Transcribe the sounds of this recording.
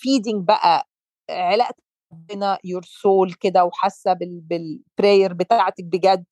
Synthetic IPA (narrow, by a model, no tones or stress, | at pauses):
fiːd̪ɪŋɡ̚bæʔæ | ʕelæʔt̪æˤɑbːenæjoɾsoːlked̪æwħasːæbebelpɾejeɾbet̪æʕt̪æk̚beɡæd̪